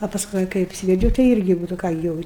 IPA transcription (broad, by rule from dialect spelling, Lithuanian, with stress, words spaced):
ɐ pɐsˈkʊɪ kɐɪ ɐpʲˈsʲiːʋʲɛd͡ʒʲɛʊ tɐɪ ˈɪrʲɡʲɪ ˈnʊ tɐɪ ˈkɑː ɡʲɪ ˈjɛʊ